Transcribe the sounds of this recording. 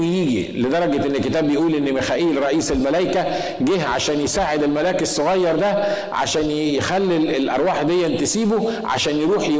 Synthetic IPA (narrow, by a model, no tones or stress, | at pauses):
jiːɡḭled̪ɑɾˤɑɡeʔenːekːet̪æːbːejeʔuːlʔenːmexæːʔiːlɾˤɑʔiːselmælæjkæ | ɡeɦʕa̰ʃæːnjesaːʕed̪elmælæːkesːoɣɑjːɑɾˤd̪æ | ʕa̰ʃæːn | jexælːielʔɑ̰ɾˤwɑːħd̪ejːæʔnt̪esiːbo | ʕa̰ʃæːnjeɾuːħj